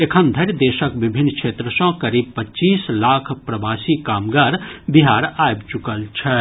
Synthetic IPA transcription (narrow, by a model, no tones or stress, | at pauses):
ekʰənd̪ʱəɾʲd̪esəkbibʱinːkt͡ʃʰet̪ɾəsɔ̃kəɾib̚pətːt͡ʃislakʰpɾɐbasikamɡaɾbiɦaɾajbt͡ʃukəlt͡ʃʰə